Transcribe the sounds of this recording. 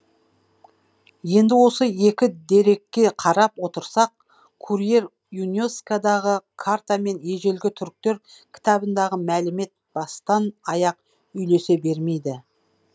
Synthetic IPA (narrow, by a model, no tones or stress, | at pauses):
je̞nd̪ɪwo̞səe̞kʲɪd̪e̞ɾe̞kʲːe̞qʰɑɾɑpwo̞t̪əɾsɑq̚ | kʰuɾije̞ɾ | juneskad̪ɑʁəkʰaɾt̪ame̞nje̞ʒe̞lɡʲɪt̪ʰʏɾk̚t̪e̞ɾkʲʰɪ̥t̪ɑbənd̪ɑʁəmælɪme̞t̪̚b̥ɑst̪ɑnɑjɑq̚ | ʏjle̞se̞be̞ɾme̞jd̪ɪ